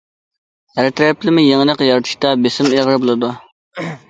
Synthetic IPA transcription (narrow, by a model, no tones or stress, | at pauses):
hæɾt̪ʰɾɛplɪmɪjeŋnəqjɑɾt̪ʰɨ̥ʃt̪ɑbesɪmeʁəɾɨbolˠɨd̪u